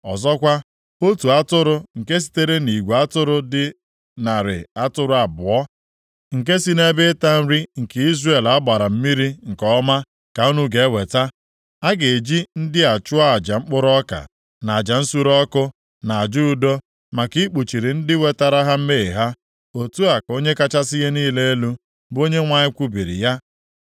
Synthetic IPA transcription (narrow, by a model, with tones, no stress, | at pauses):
ɔ˨zɔ˦kʷa˦ | o˦tu˨a˦tʊ˦ɾʊ˦ŋ̩˨ke˦s̬i̥˦te˦ɾe˦ni˨ɡʷu˨a˦tʊ˦ɾʊ˦dɪ˦ | na˨ɾɪ̰˨a˦tʊ˦ɾʊ˦a˨bʊ˨ɔ˦ | ŋ̩˨k̬e˦si˦ne˦bɪ˦ta˦n̩˦ɾi˦ŋ̩˨ke˨i˦zrɾe˦˨la˦ba˨ɾa˨m̩˦mi˦ɾi˦ŋ̩˨kɔ˦ma˦ | ka˨u˦nu˦ɡe˨˦we˨ta˦ | a˦ɡe˨e˨d͡ʒi˦n̩˦dɪ˦a˨t͡ʃʊ˦a˦a˨d͡ʒa˨ŋ͡m̩˦k͡pʊ˦ɾɔ˦ka̰˨ | na˨a˨d͡ʒa˨n̩˦su˦ɾɔ˦kʊ˦ | na˨a˨d͡ʒu˦u˨do˦ | ma˨ki˦k͡pu˨t͡ʃi˨ɾi˨n̩˦dɪ˦we˨ta˦ɾa˦ɦa˦m̩˦me˦e˨ɦa˦ | o˨tu˦a˨ko˦ɲe˦ka˦t͡ʃa˦sɪ˦je˦niː˦le˦e˦lu˦ | bo˦ɲe˦ŋʷa˦ɲɪ˦kʷu˦bi˨ɾḭ˨ja˦